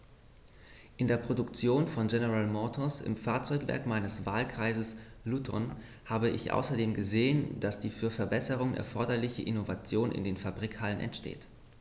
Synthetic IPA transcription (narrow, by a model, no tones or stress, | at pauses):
ʔɪndeːɐpʁ̥odʊkt͡sjoːnfɔnɡɛnəʁalmɔtʰɔsɪ̰mfaːɐt͡sɔʏkv̥ɛ̰ɐkmaɪnəsv̥aːlkʁ̥aɪzəslutʰɔ̰n | haːbəɪ̰çʔa̰ʊsɐdeːmɡəzeːənd̥asd̥iːfyːɐfɛɐbɛsəʁ̞ʊŋənɛ̰ɐfɔɐdɐlɪçəʔɪnovat͡sjoːnɪ̰ndeːnfabʁiːkhalənʔɛ̰ntʃtḛːt